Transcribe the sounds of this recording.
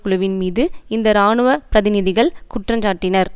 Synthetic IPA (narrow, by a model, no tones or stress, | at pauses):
kʊɭɯʋɪnmiːðɯɪnd̪ɐɾaːɳɯʋɐpɪɾɐðɪnɪðɪɣɐɭkʊʈrɐɲd͡ʒaːʈːɪnɐɾ